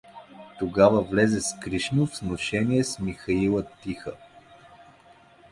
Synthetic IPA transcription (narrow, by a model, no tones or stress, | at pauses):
t̪oɡavəvlɛzɛskɾiʃnʊvsnoʃɛniɛsmixɐilˠət̪ixə